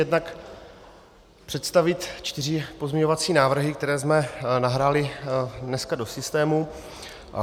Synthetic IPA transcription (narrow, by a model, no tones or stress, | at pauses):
jɛdnak | pr̝̥ɛt̪st̪avɪt̪t͡ʃt̪ɪrɪpo̞zmɪɲo̞vat͡siːnaːvr̩ɦɪk̚t̪ɛɾɛːzmɛnaɦɾaːlɪdnɛskado̞sɪst̪ɛːmu